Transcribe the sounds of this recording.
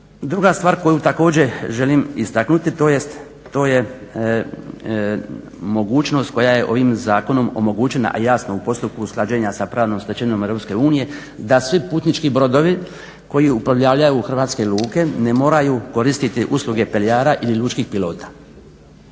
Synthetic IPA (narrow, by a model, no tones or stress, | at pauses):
d̪ɾuɡast̪ʋaːɾko̞jut̪ako̞ːd͡ʑe̞ʒe̞limist̪aknut̪it̪o̞ːjest̪ː | o̞ːje̞ | mo̞ɡuːt͡ʃno̞st̪̚ko̞jaje̞ʔo̞ʋimzaːko̞no̞mo̞̰mo̞ɡut͡ʃe̞na̰ʔa̰jaːsnoupo̞st̪up̚kusklˠad͡ʒeːɲasapɾaːʋno̞mst̪et͡ʃeɲo̞mevɾopske̞uːnije̞ | d̪asʋipuːt̪nit͡ʃkibɾo̞d̪o̞ʋi | ko̞jiupɾaʋʎaʋʎajuːxr̩ʋaːt̪ske̞luːke̞ne̞mo̞ːɾajuko̞ɾist̪it̪iʔuslˠuɡe̞pelijaːɾaʔiliʎuːt͡ʃkixpilo̞ːt̪ḁ